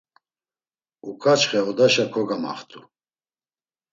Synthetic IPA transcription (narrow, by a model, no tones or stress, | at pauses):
ukʰʼat͡ʃχɛɔd̪aʃakʰɔɡama̰χt̪ʰʼu